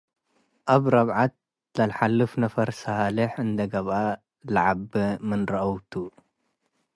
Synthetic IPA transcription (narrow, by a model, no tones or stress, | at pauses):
ʔaβɾɐβʕat̪̚ | lɐlħalːɨfnɐfɐɾsalɨħɨnd̪ɐɡɐβʔa | laʕabɨmɨnɾɐʔɐwt̪ʰu